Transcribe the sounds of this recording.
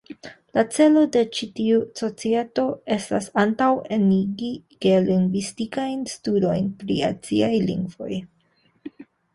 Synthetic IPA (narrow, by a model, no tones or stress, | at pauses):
lat͡se̞lo̞de̞t͡ʃitiuso̞t͡sieto̞e̞stasantaweniɡiɡ̥eliŋɡvistikajnstudo̞jnpɾḭa̰t͡siajlḭŋɡvo̞̰j